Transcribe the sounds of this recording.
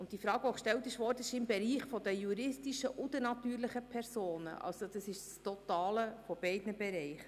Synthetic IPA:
ʊnt̚d̥ifɾɑːɡ̥oʃtɛltɪʃʋɔrdəɪʃɪmbɛɾiːχfɔd̪əjuɾɪstiʃəʔʊd̪ənɑt̪yːɾləχəpʰɛrsoːnə̰ʔʔɑ̰lsod̥̪ɑsɪʃstɔt̪ɑːləfɔb̥ɛɪdnəbɛɾɛɪχə

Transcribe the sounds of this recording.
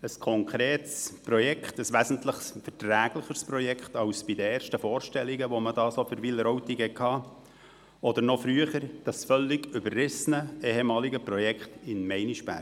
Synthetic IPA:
əskʰɔŋkʰɾeːtspɾɔjɛkχt̪əsʋæsən̩t̪ləχsfərtɾæːɡləχəɾspɾɔjɛkχtɑwsb̥ɪd̪əeːrʃtəfoːɾʃtɛlːiɡəʋɔmədɑːsofʏɾʋɪlɾɔwt̪ikhɛkʰhɑː | ɔd̪əɾnɔfɾyəχəɾd̥ɑsfœlːɪɡʏbərrɪsənəeːhemɑːliɡəpɾɔjɛkχtɪnmɛɪniʃpæ̰ːɾ

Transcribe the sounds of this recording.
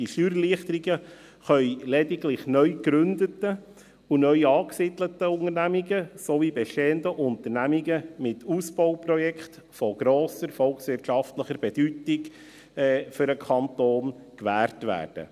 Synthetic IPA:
d̥iʃyːɾəliəχtəɾiɡə | χœʏlɛdɪɡlɪχnœʏkɾʏnd̪ətə | unœʏɑːksɪdlətəʊŋənæmiɡəsoʋibɛʃteːəndəʔʊnt̪əɾnæmiɡəmɪtusbɔʊprɔjɛkχt | fɔɡ̥ɾoːsəɾfɔlˠksʋɪɾtʃɑftləχəɾb̥ɛd̥ytɪɡ | ɛfʏɾəkʰɑntoːnkʋæːrtʋæ̰ːd̥ə̰

